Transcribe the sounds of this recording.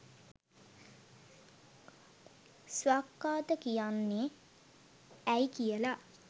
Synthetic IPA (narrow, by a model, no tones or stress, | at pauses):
swakːaːt̪əkijanːe | æjkijəla